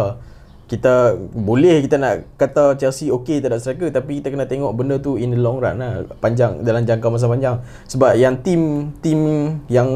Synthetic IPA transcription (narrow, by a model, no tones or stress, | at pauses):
kit̪abolɛhkit̪anaʔkat̪at͡ʃɛlsioket̪adaʔsəɾakət̪apikit̪akənãt̪eŋɔʔbəndət̪uinəlɔŋɾa̰nlahpaɲd͡ʒaŋdalamd͡ʒaŋkamas̬apaɲd͡ʒaŋ | səbap̚jaŋt̪imt̪imjaŋ